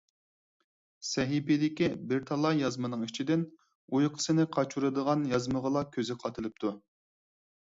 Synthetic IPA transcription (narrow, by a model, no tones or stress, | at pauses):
sɛɦipid̪ɪkʲibɪɾt̪ʰɑlˠɑjɑzmɨnɨŋit͡ʃʰid̪ɪn | ujqʰə̥sɨnɨqʰɑt͡ʃʰuɾɨd̪əʁɑnjɑzməʁəlˠɑkʲʰøzɪqʰɑt̪ʰɨlˠɨp̚t̪ʰu